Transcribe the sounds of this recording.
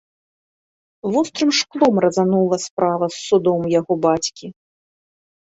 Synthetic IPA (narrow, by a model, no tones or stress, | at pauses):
vɔst̪ɾɨmʂklˠɔmrɐzanulˠɐspɾavɐsːud̪ɔmjaɣɔbat͡sʲkʲi